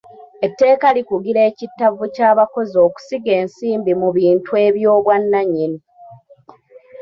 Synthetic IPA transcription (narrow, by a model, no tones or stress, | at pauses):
e̞tːe̞ːkalikuɡiɾe̞ːcitːavucaːβako̞zo̞ːku̥siɡe̞ːnsiːmbimuβiːntwe̞ːβjo̞ːβwanːaɲːini